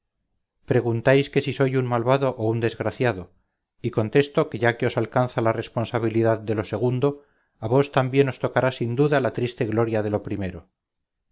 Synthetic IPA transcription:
pɾe̞ɣunt̪ajske̞siso̞junmalβaðo̞ʔound̪e̞zɣɾaθjaðo̞ | iko̞nt̪e̞st̪o̞ke̞ʝakeo̞salkan̟θalare̞spo̞nsaβ̞iliðaðːe̞lo̞se̞ɣ̞und̪o̞ | aβo̞st̪ambje̞no̞st̪o̞kaɾasind̪uðalat̪ɾist̪e̞ɣlo̞ɾjaðe̞lo̞pɾime̞ɾo

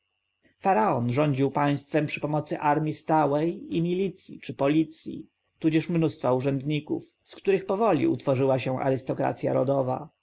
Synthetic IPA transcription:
faɾaɔnʐɔɲd͡ʑiwpaj̃st̪fɛmpʂɘpɔmɔt̪sɘʔaɾmʲjist̪awɛjimʲilʲit̪sʲjit͡ʂɘpɔlʲit̪sʲjḭ | t̪ud͡ʑɛʂmnust̪fauʐɛnd̪ɲikṵf | skt̪uɾɘxpɔvɔlʲḭṵt̪fɔʐɘwaɕɛ̃ʔa̰ɾɘst̪ɔkɾa̰t̪sʲja̰ɾɔd̪ɔva̰

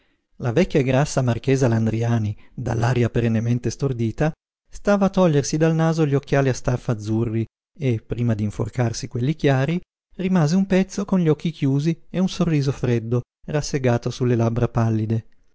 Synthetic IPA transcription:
lavɛkʲːjaɡɾasːamarkeːzaland̪ɾiaːnid̪a̰lːaɾjapeɾenement̪est̪ord̪iːt̪a | st̪aːvaːt̪ːɔʎːersid̪alnaːzoʎokːjaːliast̪afːad̪zːurːi | epːɾiːmad̪iɱfo̰rkarsikwelːikjaːɾi | rimaːzeumpɛt̪sːokonʎɔkʰːikʰjuːzieunsorːiːzofɾed̪ːo | rasːeɡaːt̪osulːelabɾapalːid̪e

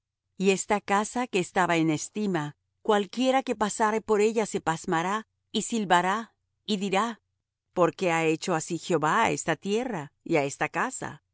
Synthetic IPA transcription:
ie̞st̪akasake̞ːst̪aβaene̞st̪ima | kwalkje̞ɾake̞pasaɾepo̞ɾe̞ʝase̞pazmaɾa | isilβaɾa | iðiɾa | po̞ɾke̞ae̞t͡ʃo̞asixjo̞βaːe̞̰st̪at̪je̞raiae̞st̪akasa̰

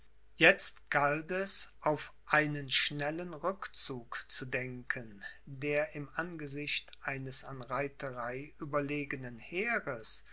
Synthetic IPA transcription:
jɛt͡stɡ̥altɛsʔaʊfʔaɪnənʃnɛlənʁʏkt͡suːkt͡sudɛŋkʰəndeːɐʔɪmʔanɡəzɪçtʔaɪnəsanʁaɪtʰəʁaɪʔʔyːbɐleːɡənənheːʁəs

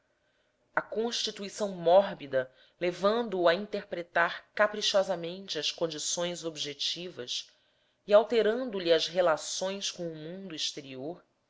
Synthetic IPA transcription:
ɐkõʃt͡ʃit̪uisɐ̃w̃mɔɦbid̪ɐ | levɐ̃nd̪ʊːɐĩnt̪eɾpɾet̪aɾkapɾiʃɔzɐmẽnt͡ʃɪɐskõnd͡ʒisõj̃zobiʒet͡ʃivɐs | iawt̪eɾɐ̃nd̪ʊliɐzɦelasõj̃skõw̃ʊmũd̪ʊiʃt̪eɾioɾ

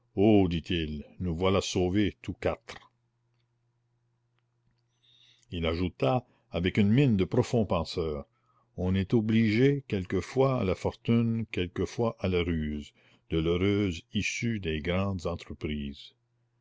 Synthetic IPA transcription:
od̪it̪ʰilnuvwalasoːvet̪ʰukat̪ɾ | ilaʒut̪aː | vɛkynmind̪əpɾɔfɔ̃pɑ̃sœːʁ | ɔ̃nɛt̪obliʒekɛlkəfwaa̰lafɔʁt̪ynkɛlkəfwaʔalaʁyːz | d̪̥əløɾøzisyd̪eːɡɾɑ̃d̪zɑ̃t̪ɾəpɾiːz

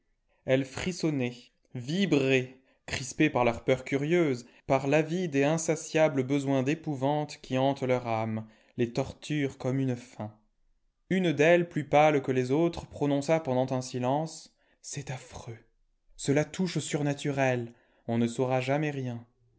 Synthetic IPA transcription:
ɛlfχisɔne | vibʁe | kχispepaʁlœʁpœʁkʲyʁjøz | paʁlavid̪eɛ̃sasjabləbəzwɛ̃d̪epuvɑ̃t̪kʲʰiɑ̃t̪lœʁam | let̪ɔʁt̪yʁkɔmynfɛ̃ | ynd̪ɛlplypalkəlezot̪χəpχɔnɔ̃sapɑ̃d̪ɑ̃t̪ɛ̃silɑ̃sː | ɛt̪afχø | səlat̪uʃosyʁnat̪yʁɛl | ɔ̃nəsɔʁaʒamɛʁjɛ̃

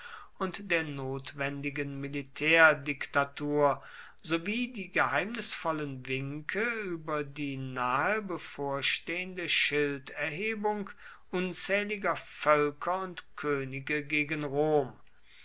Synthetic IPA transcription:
ʔʊntd̥eːɐnoːtv̥ɛndɪɡənmilitʰɛːɐdɪktatʰuːɐ | zoviːdiːɡəhaɪmnɪsfɔlənvɪŋkʰəyːbɐdiːnaːəbəfoːɐʃteːəndəʃɪltɛɐɦeːbʊŋk | ʔʊnt͡sɛːlɪɡɐfœlkʰɐʊntkʰøːnɪɡəɡeːɡənʁoːm

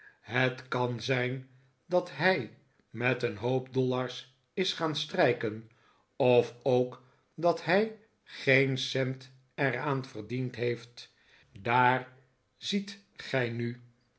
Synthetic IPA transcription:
ɦətkɑnzɛjn | dɑtɦɛj | mɛtənɦowp̚dɔlɑɹs | ɪsχaːnstrɛjkən | ɔfowk | dɑtɦɛj | χejnsɛnt | ɛraːnv̥ərdintɦejft | daːɹ | z̥it | χɛjny

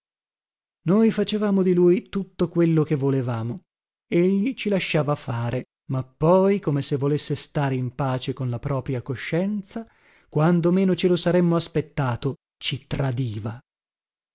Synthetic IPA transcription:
nojfat͡ʃevaːmod̪iluːjt̪ut̪ːokwelːokevːolevaːmo | eʎːit͡ʃilaʃːaːvafaːɾe | mapːɔjkomesevːolesːest̪aːɾeimpaːt͡ʃekonlapɾɔːpɾjakoʃːɛnt̪sa | kwand̪omeːnot͡ʃilosaɾemːoaspet̪ːaːt̪o | t͡ʃit̪ɾad̪iːva

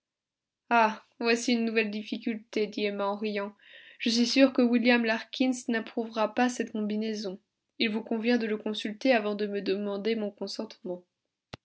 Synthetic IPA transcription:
a | vwasiynːuvɛld̪ifikʲylt̪ed̪iemaɑ̃ʁijɑ̃ | ʒ̥əsɥisyʁkəwiljamlaʁkʲʰinsnapχuvʁapasɛt̪kɔ̃binezɔ̃ | ilvukɔ̃vjɛ̃d̪ələkɔ̃sylt̪eavɑ̃d̪əməd̪əmɑ̃d̪emɔ̃kɔ̃sɑ̃t̪mɑ̃

